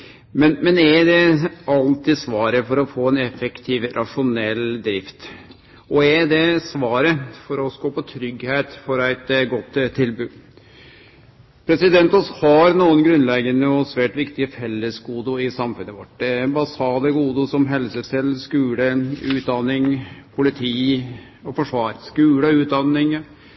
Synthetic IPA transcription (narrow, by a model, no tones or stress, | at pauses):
mɛnmɛnɛd̪ɛɑlt̪ɪsʋɑːɾəfɔɾɔfoːɛnɛfəkt̪ʰiːʋɾʔɑʂʊnɛlːd̪ɾɪft̪ | ɔɛd̪ɛsʋɑːɾəfɔɾɔskoːpɔt̪ʰɾʏɡheːt̪fɔɾæɪt̪ɡɔt̪ːt̪ʰːɪlbʉː | pʰɾɛsɪd̪ɛnt̪ɔshɑɾnuːənɡɾʉnlɛɡənəɔsʋæːʈʋɪkt̪ɪəfɛlːəsɡuːd̪ʊɪsɑmfʉnːəʋɔʈːɛbɑsɑːd̪əɡuːd̪ʊsɔmɦɛlsəsɛlskʉːləʉːt̪̚d̪ɑnːɪŋpʰʊlɪt̪ʰiː | ɔfɔʂʋɑːɾskʉːləʉːt̪̚d̪ɑnːɪŋ